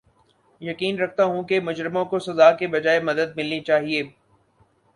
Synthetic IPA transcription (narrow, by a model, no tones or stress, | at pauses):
jɐkiːnɾɐk̚ʰt̪aɦũkemʊd͡ʒɾɪmõkosɐzaːkebɐd͡ʒaːemɐd̪əd̪̚mɪlnit͡ʃaːɦieː